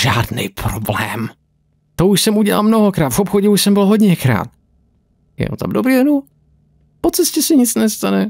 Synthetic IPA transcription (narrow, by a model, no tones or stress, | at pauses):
ʒaːdnɛ̰jpɾoblɛ̰ːm | t̪ouʃsɛmuɟɛla̰lmnoɦokɾaːt̪vopxoɟɛuʃsɛmbɪlɦoɟɲɛkɾa̰ːt̪̚ | jɛ̰o̰t̪a̰mdobɾidɛnu | pot͡sɛscɛsɛɲɪt͡snɛst̪anɛ